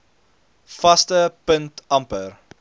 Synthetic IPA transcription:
fɐstəpəntɐmpər

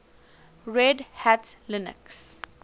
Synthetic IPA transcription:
ɹɛɖhætslɪnə̰ks

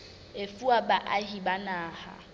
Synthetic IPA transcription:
efuabaʔaɦibanaːha̰

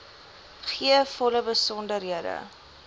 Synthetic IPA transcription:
χiəfɔləbəsɔndəɾɦiədə̰

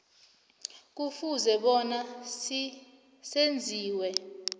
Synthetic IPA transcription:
k̬ufuzɛɓɔna | send͡zʱiːwɛ

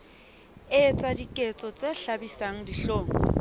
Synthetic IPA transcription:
ɪt͡sʼadikʼet͡sʼɔt͡sʼeɬabisaŋ̩diɬoːŋɔ

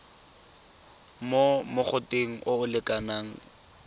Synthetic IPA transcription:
momʊk͡xʊteŋ̩ʔʊʊlɪkʼanaːŋ̩

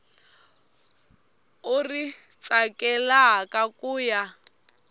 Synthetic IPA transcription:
uri | t͡sʼakɛlaɦkʼakʼuːja

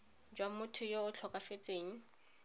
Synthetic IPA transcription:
d͡ʒwamʊtʰʊjoʊt͡ɬʰɔkʼafet͡sʼeːŋ̩

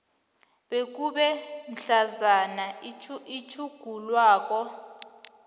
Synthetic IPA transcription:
ɓek̬uɓɛn̩ɬazanait͡ʃʰuɡ̥ʱulwaːk̬ɔ

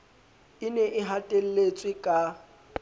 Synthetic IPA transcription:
ɪnɛʔɪɦatʼel̩let͡sʼwɪkʼa

